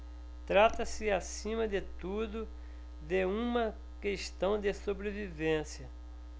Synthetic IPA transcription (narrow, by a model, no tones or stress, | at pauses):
t̪ɾat̪ɐsɪasĩmɐd̪ɪt̪ud̪ʊ | d̪eũmɐ | keʃt̪ɐ̃w̃d̪ɪsobɾevivẽsjɐ